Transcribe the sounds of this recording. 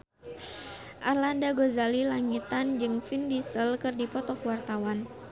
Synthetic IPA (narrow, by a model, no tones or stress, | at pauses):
ʔalandaɡozalilaŋit̪and͡ʒɨŋfindisəlkɨrdipɔt̪ɔkwart̪awan